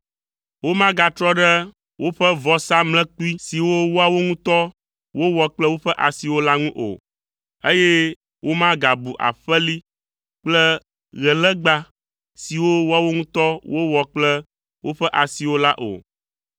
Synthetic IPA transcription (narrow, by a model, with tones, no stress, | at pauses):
wo˦mã˦ɡa˨t̪ɾɔ˦ɖɛ˦ | wʔo˦ɸə˦vɔ˨sa˦mlɛ̃˦k͡pu˦i˦si˨wo˦wo˦a˨wo˦ŋũ˦t̪ɔ˦ | wo˦wɔ˨k͡plɛ˦wo˦ɸɛ˦ʔa˨si˨wo˦la˦ŋũ˦ʔo̰˨ | e˦je˦ | wo˦mã˦ɡa˨bu˨ʔa̰˨ɸɛ˦li˦ | k͡plɛ˦ | ɣɛ˨lɛ˦ɡ͡ba˨ | si˨wo˦wo˦a˨wo˦ŋũ˦t̪ɔ˦wo˦wɔ˨k͡plɛ˦ | wʔo˦ɸɛ˦ʔa˨si˨wo˦la˦ʔo̰˨